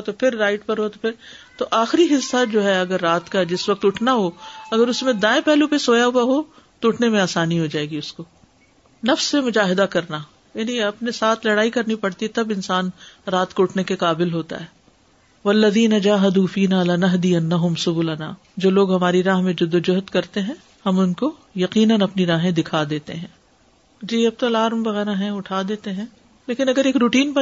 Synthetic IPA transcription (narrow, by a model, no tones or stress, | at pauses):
t̪opʰɪɾːaːɪʈ̚pɐɾɦot̪opʰɪɾt̪oʔaːxɾiɦɪsːad͡ʒoːɦɛɐɡəɾːaːt̪kad͡ʒɪsʋɐk̚t̪ʊʈʰnaɦoɐɡəɾʊsmẽd̪ãːẽpɛɦlũpesoːjaɦʊaɦo | t̪oʊʈʰnemẽaːsaːniɦod͡ʒaːeːɡiʊsko | nɐfsːemʊd͡ʒaːɦɪd̪akɐɾna | jaːniɐpnesaːt̪ʰlɐɽaːikɐɾnipɐɽt̪iɛt̪ɐbɪnsaːnɾaːt̪koʊʈʰnekeqaːbɪlɦoːt̪a̰ɦɛː | ʋɐlːɐðiːnɐd͡ʒaːɦɐd̪uːfiːnaːlɐnɐɦd̪iɐnːɐɦʊmsʊbuːlɐna̰ː | d͡ʒoːloːɡɦɐmaːɾiɾaːɦmẽd͡ʒʊd̪ːod͡ʒʊɦət̪kɐɾt̪eɦɛ̃ | hɐmʊnko | jɐqiːnənɐpniɾaːɦẽd̪ɪkʰad̪eːt̪ḛɦɛ̃ː | d͡ʒiːɐb̚t̪olaːɾmʋɐɣɛːɾaɦɛ̃ʊʈʰaːd̪eːt̪eɦɛ̃ | leːkɪ̃nɐɡəɾeːkɾuːʈiːnpɐ